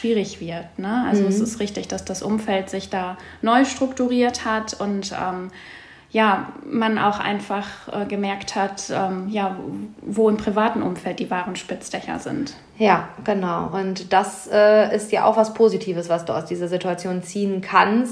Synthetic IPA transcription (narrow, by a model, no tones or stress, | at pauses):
ʃv̥iːʁɪçv̥ɪɐtnəʔa̰lzoɛsɪstʁɪçtɪçd̥asd̥asʔʊmfɛltz̥ɪçd̥aː | nɔʏʃtʁ̥ʊktuʁiːɐthatʊntʔɛ̰ːm | jaːmanʔa̰ʊxʔa̰ɪnfaχʔɛːɡəmɛɐkthatʔɛːmjaːvoːɪmpʁ̥ivaːtn̩ʔʊmfɛlt̚d̥iːvaːʁənʃpɪt͡sd̥ɛçɐ̰zɪ̰nt | jaːɡ̥ənaʊʔʊntd̥asʔɛːɪstjaːʔaʊxvaspʰoːzitʰiːvəsv̥asd̥ṵːaʊsd̥iːzɐzituat͡sjoːnt͡siːənkʰans